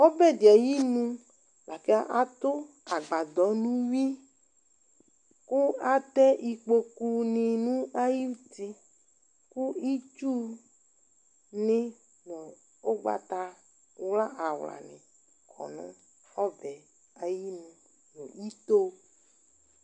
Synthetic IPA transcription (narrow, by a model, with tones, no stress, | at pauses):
o˦bɛ˦d̪i˨a˨ji˦nũ˦ | la˨ke˦a˦ʔa˦t̪o˦ | a˨ɡ͡ba˨d̪ɔ˨nũ˦wi˦ | ku˦a˦t̪ɛ˦i˨k͡po˦ku˦nĩ˨nũ˦a˦ji˦u˦t̪i˦ | ku˦i˦t͡ʃu˦ | nẽ˦ | nẽ˨ | o˦ɡ͡ba̰˨t̪a˦ | wla˦ʔa˨wla̰˨nḛ̃˨ | kʰɔ̰˨nṵ̃˦ | ɔ˦vɛ˨ | a˨ji˦nũ˦ | nõ˨i˦t̪o˦